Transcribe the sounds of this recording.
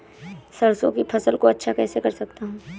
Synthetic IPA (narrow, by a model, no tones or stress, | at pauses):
sɐɽsõkipʰɐsəlkoɐtːʃʰakɛːsekɐɾsɐk̚t̪aɦũː